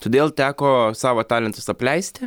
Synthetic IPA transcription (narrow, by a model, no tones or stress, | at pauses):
t̪oːd̪ʲeːlˠt̪ʲæːkoːsɑːʋoːt̪ɑːlʲɛnt̪ʊsɐpʲlʲɛɪsʲt̪ʲɪ